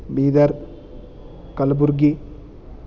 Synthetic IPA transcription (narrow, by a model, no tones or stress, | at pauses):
biːd̪ɐɾ | kɐlbuɾɡi